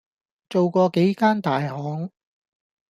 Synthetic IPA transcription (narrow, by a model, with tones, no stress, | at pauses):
t͡so˨wkɔː˧ke˨˥jkaː˥nt̪aː˨jhɔː˨˥ŋ